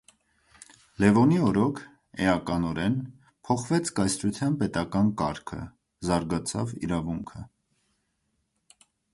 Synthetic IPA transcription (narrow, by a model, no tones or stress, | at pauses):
lɛvɔniɔɾɔkʰ | ɛɑkɑnɔɾɛn | pʰɔχvɛt͡sʰkɑjsɾut̪ʰjɑnpɛt̪ɑkɑnkɑɾkʰə̰ | zɑɾɡɑt͡sʰɑ̰vḭɾɑvuŋkʰə